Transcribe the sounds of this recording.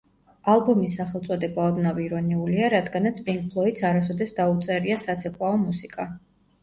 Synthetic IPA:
alˠbɔmisːaχɛlˠt̪sʼɔd̪ɛbaɔd̪naviɾɔniuliaɾad̪ɡanat̪sʰpʼiŋk̚ʼpʰlˠɔit̪saɾasɔd̪ɛsd̪aut̪sʼɛɾiasat̪sʰɛpʰwaɔmusikʼa

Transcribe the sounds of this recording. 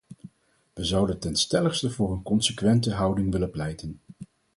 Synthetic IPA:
ʋəzɑwdəntɛnstɛləχstəvʊːrənkɔnsəkʋɛntəɦɑwdɪŋʋɪləplɛjtən

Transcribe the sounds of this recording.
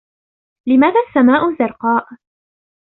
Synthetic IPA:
lɪmaːðaːsːamaːʔʊzɑɾˤqɑːʔ

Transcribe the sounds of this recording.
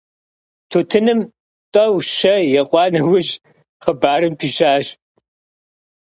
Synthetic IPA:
tʰoːtʰɨnɨm | tʼɐwʃɐjɛqʷʼɑːnɐwʊʒ | χəbaːɾɨmpʰiːʃaːʒ

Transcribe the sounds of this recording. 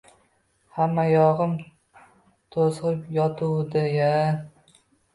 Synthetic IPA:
hamːajɒʁɨm | t̪ʰozʁɨpjɒt̪ʰʊwd̪ɪja

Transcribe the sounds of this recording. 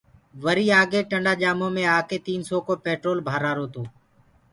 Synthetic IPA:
ʋəɾiːaːɡeːʈəɳɖaːʄaːmõːmẽːaːkeːt̪iːnsoːkoːpeːʈɾoːlbʱaːɾaːɾoːt̪oː

